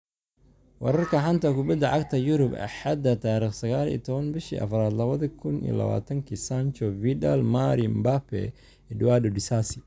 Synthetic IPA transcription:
wɑɾɐrkʰɐħɐnt̪ɐkʊbɐd̪ɐʕaɡt̪ʰɐjʊɾʊbɐ̰ħad̪ɐt̪ʰaːɾiːχsɐɣaːlḭːt̪ʰɔβɐnbɪʃḭʔɐ̰fɐɾaːd̪lɐβɐðɐkʰʊnḭlɐ̰βa̰ːt̪ʰɐŋkʰisant͡ʃɔvid̪ɐlmaɾimbapɛ̰ | ɛdwaːdɔdɪsasɪ

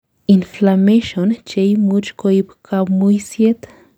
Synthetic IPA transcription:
inflameʃont͡ʃejmut͡ʃkoipkʰawmujsjet̪

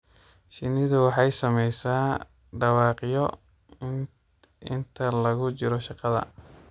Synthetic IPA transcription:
ʃɪnɪðʊwɑħɑjsɐmɛjsaː | ɖɑwɑːqjɔ | ɪ̰nt̪ʰɐlɐɣʊt͡ʃɪɾɔʃɑqɑðɐ̰

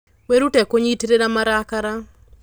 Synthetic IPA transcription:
weɾutɛkoɲitɾeɾamaɾakaɾa

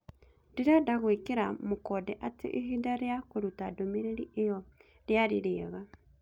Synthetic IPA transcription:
diɾadaɣwekeɾamokɔdɛʔatḛʔeɦidaɾeakoɾutadomeɾeɾiejɔ | ɾjaɾiɾeːɣa

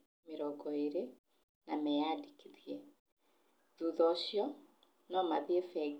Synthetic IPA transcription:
meɾɔɡɔeɾe | namɛjadikiðiɛ | d͡ʒuðɔɕjɔ | nɔmaðiɛfɛ

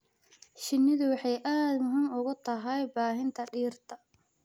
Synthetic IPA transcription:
ʃɪnːɪðʊwɑħɑjʔaːd̪mʊɦiːmʊɣʊt̪ʰɐɦɛjbaːɦɪnt̪ʰɐɖiːrt̪ʰɐ

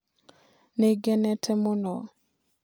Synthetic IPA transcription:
neɡɛnɛtʰɛmonɔ

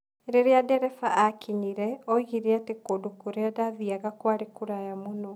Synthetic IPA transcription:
ɾeɾeadɛɾɛfaʔakʰiɲiɾɛɔiɣiɾeatekoːdokoɾeadaðiaɣakwaɾekuɾajamonɔ

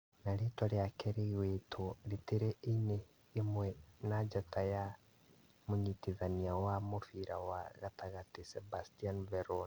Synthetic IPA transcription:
naɾetwaɾiakʰeɾewetʰoliteɾeeneː | mwɛnad͡ʒataja | moɲitiðaniawamofiɾawaɣataɣatisebastianvɛɾon

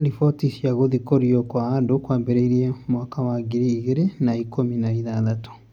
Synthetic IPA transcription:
ɾifɔtisjaɣoðikoɾiɔkwaandokwaːmbɛɾeiɾiemwaːkawaɡiɾiːɣeɾenaikominaiðaðato̥

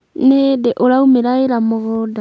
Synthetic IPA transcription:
nedeʔoɾaumeɾaeɾamoɣɔda

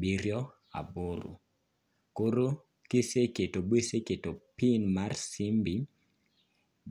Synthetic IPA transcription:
biɾjɔ | a̰boɾṵ | koɾo | kiseketobweseketopinmarsimbi

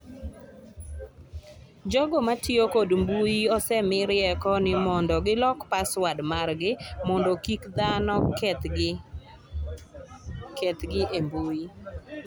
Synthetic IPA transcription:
d͡ʒɔɡɔmatɪokodmbujiɔsɛmɪɾɪɛkɔnɪmɔndɔɡɪlɔkpaswadmarɡɪmɔndokikd̪anɔt̪ | kɛt̪ɡɪʔembuji

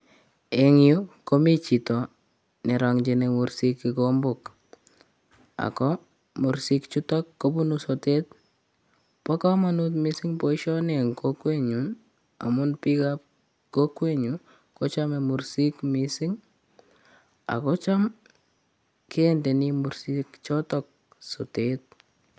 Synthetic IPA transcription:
eŋjokomit͡ʃitɔ | neɾaŋd͡ʒinemuɾsikːikombʊk | a̰kɔ | muɾsikt͡ʃutɔkːobunusotet̚ | pɔkamanut̬misɪŋpoiʃɔneŋkokweɲu | a̰mʊnpikap̚ | kokweɲu | kot͡ʃamemuɾsikmisɪŋ | a̰kɔt͡ʃam | kendenimuɾsikt͡ʃɔtɔk̚ | sotet̚

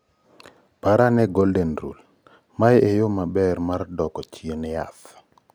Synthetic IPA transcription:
paɾanɛɡoldenɾṵl | majejomabɛɾmaɾdɔkɔt͡ʃienɪa̰θ

